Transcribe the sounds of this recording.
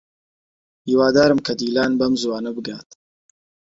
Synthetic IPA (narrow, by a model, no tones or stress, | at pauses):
hiːwaːd̪aːɾɨmkʰɐd̪iːlaːnbɐmzuwaːnɐbɨɡaːt̪